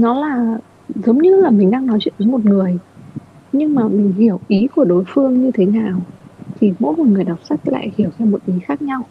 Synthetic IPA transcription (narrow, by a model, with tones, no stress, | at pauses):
nɔ˨˦laː˨˩ | zə˨˦wŋ͡mɲɨ˧laː˨˩mï˨˩ŋ̟ɗaː˧ŋnɔ˨˦jt͡ɕwḭ˧˨nʔ̪ə˨˦jmo˨˩t̚ŋɨ˨˩əj | ɲɨ˧ŋmaː˨˩mï˨˩ŋ̟hi˧˩əwʔi˨˦ku˧˩əɗo˨˦jfɨ˧əŋɲɨ˧t̪ʰe˨˦naː˨˩wt̪ʰi˨˩mo̰˧˥jko˨˩ŋɨ˨˩əjɗa˨˩p̚sa˦˥k̚la̰ː˧˨jhi˧˩əwzɛ˧mo˨˩t̚ʔi˨˦xaː˦˥k̚ɲa˧w